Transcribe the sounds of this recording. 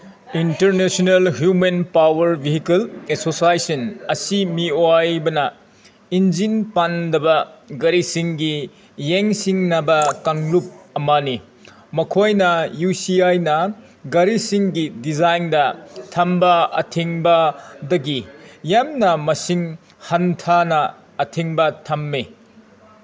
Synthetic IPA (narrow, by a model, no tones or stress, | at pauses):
intɐɾnesonelɦjumenpawɐɾbiɦikelesosajsɐnɐsimioajbɐnɐ | ind͡ʒinpandɐbɐɡɐɾisiŋɡi | jeŋsiŋnɐbɐkaŋlup̚ɐmɐni | mɐkʰojnɐjusiajnɐ | ɡɐɾisiŋɡidizajndɐtʰɐmbɐɐtʰeŋbɐdɐɡijamnɐmɐsiŋ | hɐntʰanɐː | tʰeŋbɐtʰɐmːe